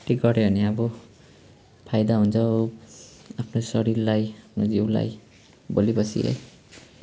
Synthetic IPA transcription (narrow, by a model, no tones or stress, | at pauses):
ʈiɡʌɾebʱʌneabʌ | pʰajd̪aɦunt͡sʰʌ | apʰnosʌɾiɾlajapʰnod͡ziwla̰j | bolibʌsḭḛj